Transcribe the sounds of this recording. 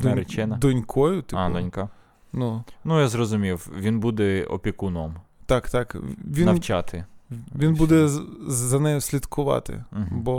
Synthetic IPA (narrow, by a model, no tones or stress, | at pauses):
d̪ɾet͡ʃɪnɐd̪ɔnʲkʰɔjʊt̪ɪad̪ɔnʲka | nunujazrɔzʊmʲiwʋʲinbud̪ɛɔ̰pʲikunɔmt̪ɑkt̪ɑkʋʲinɐwt͡ʃɑt̪ɪʋʲinbud̪ɛzɐnɛjʊsʲlʲid̪kʊʋɑ̰t̪ɪ̰bɔ